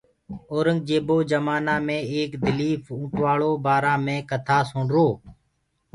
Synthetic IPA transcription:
oːɾəŋɡ̚d͡ʒeːboːd͡ʒəmaːnaːmẽːeːkd̪ɪliːfũːʈʋaːɭoːbaːɾãːmẽːkət̪ʰaːsʊːɳɾoː

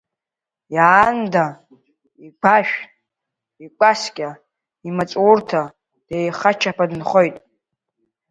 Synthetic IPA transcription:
jaːnda | iɡʷaʃᶣ | ikʷʼaskʲʼa | imat͡sʼwurtʰa | d̥ejχat͡ʃʰapʰadɨnχojtʼ

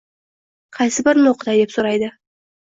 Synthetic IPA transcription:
qʰɑjsɪbɪɾnoqʰəd̪ɑjd̪e̞psoɾɑjd̪ə

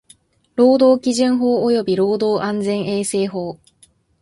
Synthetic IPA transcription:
ɾo̞ːd̪o̞ːkʲiʑɨ̃ɰ̃ɦo̞ːojo̞bʲiɾo̞ːd̪o̞ːʔãnd͡zẽ̞ɰ̃e̞ːse̞ːɦo̞ː

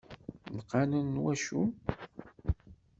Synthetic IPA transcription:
məqːɑnənːwæʃu

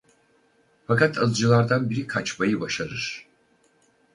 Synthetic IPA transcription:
fakat̪ʰazˠd͡ʒɯlˠaɾd̪anbiɾikʰat͡ʃmajɯbaʃaɾɯɾ̥

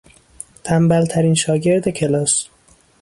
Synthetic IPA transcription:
t̪ʰæmbælt̪ʰæɾiːnʃɒːɟe̞ɾd̪e̞cʰe̞lɒːs

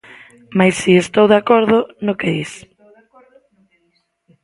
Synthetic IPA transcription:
majsːiest̪owðakɔɾðʊnokeðis

